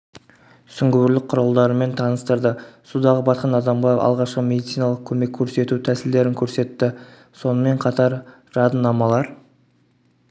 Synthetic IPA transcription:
sʏŋɡʲɵwɾlɪk̚qʰʊɾɑlˠd̪ɑɾəme̞nt̪ʰɑnəst̪ɑɾd̪əsud̪ɑʁəbɑt̪̚qɑnɑd̪ɑmʁɑɑ̰lˠʁɑʃqəmʲe̞d̪it̪sijnɑlˠəq̚kʲʰɵme̞kʲʰːɵɾse̞t̪ut̪ʰæsɪld̪e̞ɾɪŋkʲʰɵɾse̞t̪ːɪ | so̞nəme̞ɴqʰɑt̪ɑɾ | ʒ̥ɑd̪ənːɑmɑlˠɑɾ

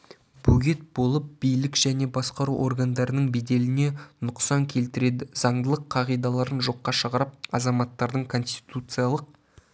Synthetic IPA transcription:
b̥uɡʲet̪̚bo̞lˠəp̚bijlɪkʒ̥æne̞bɑsqɑɾuʔo̞̰rɡand̪ɑɾənəɴbed̪e̞lɪne̞nʊqsɑŋkʲʰe̞lt̪ɪɾe̞d̪ɪzɑɴd̪əlˠəqʰːɑʁijd̪ɑlˠɑɾənʒo̞qːɑʃəqɾəp̚ɑzɑmɑt̪ːɑɾd̪əɴkʰo̞nst̪ʲi̥t̪ut̪sɨjalˠəq̚

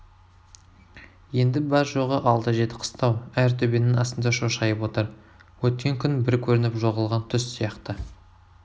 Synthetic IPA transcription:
je̞nd̪ɪbɑɾʒoʁəʔɑlˠt̪əʒe̞t̪ɪ̥qʰə̥st̪ɑwæɾt̪ʰɵbe̞nɪnɑst̪ənd̪ɑʃoʃɑjəpwo̞t̪əɾ | wɵt̪̚kʲe̞ŋkʲʰʏnbɪɾkʲʰɵɾɪnɪpʒo̞ʁəlˠʁɑnt̪ʰʏssijɑqt̪ə

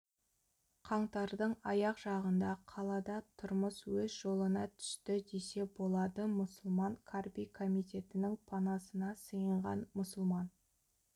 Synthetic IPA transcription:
qʰɑɴt̪ɑɾd̪əɴɑjɑqʒ̥ɑʁənd̪ɑqʰɑlˠɑd̪ɑt̪ʰʊɾməswɵzʒo̞lˠənɑt̪ʰʏ̥ʃt̪ɪd̪ese̞bo̞lˠɑd̪əmʊsʊlˠmɑŋkʰarbijkʰomijt̪ʲe̞t̪ɪnɪŋpʰɑnɑsənɑsəjəɴʁɑ̰nmʊsʊlˠmɑn

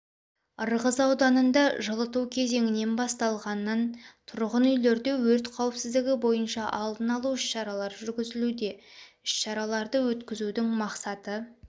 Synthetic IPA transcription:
əɾʁəzɑwd̪ɑnənd̪ɑʒəlˠət̪uwkʲʰe̞ze̞ŋɪne̞nbɑst̪ɑlˠʁɑnːɑnt̪ʰʊɾʁənʏjle̞ɾd̪e̞wɵɾt̪qʰɑwpsɪzd̪ɪɡʲɪbo̞jənʃɑʔɑlˠd̪ənɑlˠuʏʃʃɑɾɑlˠɑɾʒʏɾɡʲɪzɪlud̪e̞ʏʃʃɑɾɑlˠɑɾd̪əwɵt̪kʲɪzud̪ɪŋmɑqsɑt̪ə

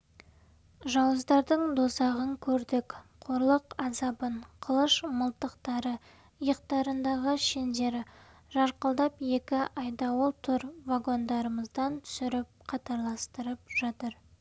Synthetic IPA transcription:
ʒɑwəzd̪ɑɾd̪əɴd̪osɑʁəŋkʲʰɵɾd̪ɪkqʰo̞ɾlˠəqɑzɑbəɴqʰəlˠəʃməlˠt̪əqt̪ɑɾə | əjəq̚t̪ɑɾənd̪ɑʁəʃend̪e̞ɾ | ʒɑɾqəlˠd̪ɑpje̞kʲɪʔɑjd̪ɑwolˠt̪ʰʊɾvaɡo̞nd̪ɑɾəməzd̪ɑnt̪ʰʏ̥sɪɾɪp̚qʰɑt̪ɑɾlˠɑst̪əɾəp̚ʒ̥ɑt̪əɾ

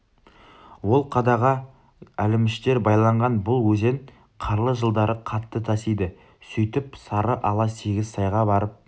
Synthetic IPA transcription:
wo̞lˠqʰɑd̪ɑʁɑ | ælɪmɪʃt̪e̞ɾbɑjlˠɑɴʁɑnbʊlˠwɵzeŋ | qʰɑɾlˠəʒəlˠd̪ɑɾəqʰɑt̪ːət̪ʰɑsijd̪ɪ | sɵjt̪ɪpsɑɾəʔɑlˠɑse̞ɡʲɪzsʰɑjʁɑbɑɾəp̚

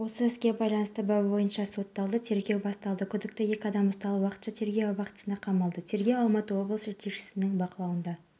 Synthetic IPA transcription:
wo̞səɪskʲe̞bɑjlˠɑnəst̪əbɑbbo̞jənʃɑso̞t̪ːɑlˠd̪ət̪ʰe̞ɾɡʲe̞wbɑst̪ɑlˠd̪əkʲʰʏd̪ɪk̚t̪ɪje̞kʲɪɑd̪ɑmʊst̪ɑlˠəwɑqə̥t̪ʃɑt̪ʰe̞ɾɡʲebɑqət̪ə̥sənd̪ɑqʰɑmɑlˠd̪ət̪ʰe̞ɾɡʲe̞wɑlˠmɑt̪əwo̞blˠəsʒeɾt̪ʰe̞kʃɪ̥sɪnɪŋbɑqəlˠɑwənd̪ɑ

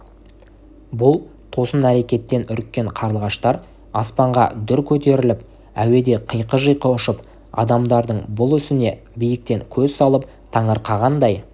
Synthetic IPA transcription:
bʊlˠ | t̪ʰo̞sənæɾe̞kʲe̞t̪ːe̞nʏɾkʲːe̞ɴqʰɑɾəlˠʁɑʃt̪ɑɾ | ɑspɑɴʁɑ̰d̪ʏɾkʲʰɵt̪e̞ɾɪlɪp̚ | æ̰we̞d̪e̞qʰəjqəʒəjqəʊʃəp | ɑ̰d̪ɑmd̪ɑɾd̪əɴbʊlˠʏsɪne̞ | bijɪk̚t̪e̞ŋkʲʰɵzsɑlˠəp̚ | t̪ʰɑɴəɾqɑʁɑnd̪ɑj

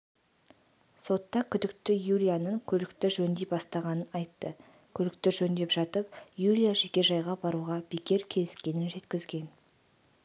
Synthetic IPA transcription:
so̞t̪ːɑkʲʰʏd̪ɪkt̪ɪjulʲijanəŋkʲʰɵlɪkt̪ɪʒɵnd̪ejbɑst̪ɑʁɑnənɑjt̪ːə | kʲʰɵlɪkt̪ɪʒɵnd̪e̞pʒ̥ɑt̪əp̚julʲijaʒe̞kʲe̞ʒɑjʁɑbɑɾuʁɑbekʲe̞ɾkʲʰe̞lɪskʲe̞nɪnʒe̞t̪kʲɪzɡʲe̞n

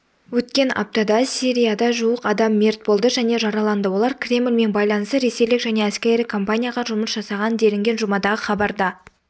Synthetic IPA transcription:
wɵt̪̚kʲe̞nɑ̰p̚t̪ɑd̪ɑsiɾʲijad̪ɑʒuəqɑd̪ɑmːe̞ɾt̪̚bo̞lˠd̪əʒæne̞ʒɑɾɑlˠɑnd̪əwo̞lˠɑɾkʲʰrʲe̞mɪlʲme̞nbɑjlˠɑnəst̪əɾe̞se̞jlɪkʒæne̞æskʲejɾɪkʰompanʲijaʁɑʒʊməsʒɑsɑʁɑnənd̪e̞lɪŋɡʲe̞nʒʊmɑd̪ɑʁəχɑbɑɾd̪ɑ

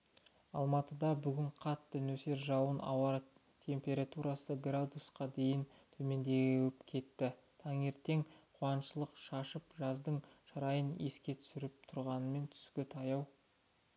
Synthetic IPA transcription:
ɑ̰lˠmɑt̪əd̪ɑbʏɡʲɪɴqʰɑt̪ːɪnɵse̞ɾʒɑwənɑ̰wɑɾ | t̪ʰe̞mpʲe̞ɾat̪uɾasəɡrad̪usqɑd̪e̞jɪnt̪ʰɵme̞nd̪e̞ɡʲwɪpkʲʰe̞t̪ːɪ | t̪ʰɑŋe̞ɾt̪e̞ŋqʰwɑnʃəlˠəqʃɑʃəpʒɑzd̪əɴʃɑɾɑjəne̞skʲe̞t̪ʰʏ̥sɪɾɪp̚t̪ʰʊɾʁɑnəme̞nt̪ʰʏ̥skʲɪt̪ʰɑjɑw

